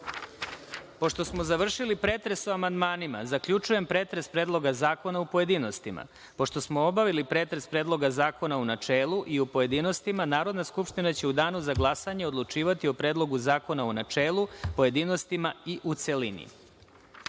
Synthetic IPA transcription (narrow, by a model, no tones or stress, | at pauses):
po̞ʃt̪o̞smozaʋr̩ʃilipɾe̞ːt̪ɾe̞soamand̪maːnima̰zakʎut͡ʃuje̞mpɾe̞ːt̪ɾe̞spɾeːd̪lˠo̞ɡazaːko̞naupo̞je̞d̪iːno̞st̪ima̰ | po̞ʃt̪o̞smoobaʋilipɾe̞ːt̪ɾe̞spɾeːd̪lˠo̞ɡazaːko̞naunat͡ʃeːluʔiupoje̞d̪iːno̞st̪imanaːɾo̞d̪naskupʂt̪inat͡ɕe̞ud̪aːnuzaɡlˠasaɲeod̪lˠut͡ʃiːʋat̪iopɾe̞ːd̪lˠo̞ɡuzaːko̞naonat͡ʃe̞ːlˠupo̞je̞d̪iːno̞st̪imaiʔut̪se̞linḭ